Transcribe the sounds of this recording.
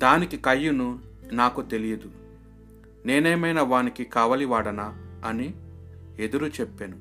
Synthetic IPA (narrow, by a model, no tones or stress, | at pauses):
d̪aːnikikɐjːunu | naːkut̪e̞lijɐd̪u | neːnɛːmɐjnɐʋaːnikikaːʋɐliʋaːɽɐnɐɐni | e̞d̪uɾut͡ʃepːeːnu